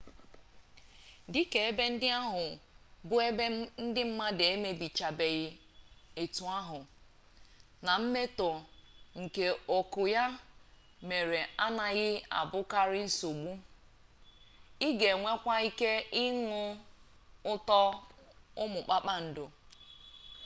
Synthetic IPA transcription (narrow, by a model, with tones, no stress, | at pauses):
di˦ke˨e˦be˦n̩˦dɪ˦a˦ɦʊ˨bʊ˦e˦be˦n̩˦dɪ˦m̩˦ma˦de˦me˦bi˨t͡ʃa˨be˨ɣɪ˨ | e˨tu˨a˦ɦʊ˨ | na˨m̩˦me˦tɔ˨ŋ̩˨ke˨o˨kʊ˨ja˦ | me˨ɾe˨a˦na˨ɣɪ˦a̰˨bʊ˦ka˦ɾɪ˦n̩˦so˨ɡ͡bu˦ | i˦ɡe˨ŋʷe˦kʷa˦i˦ke˦ɪ˦ŋʊ˦ | ʊ˦tɔ˦ | ʊ˦mʊ˨k͡pa˦k͡pa˦n̩˨do˨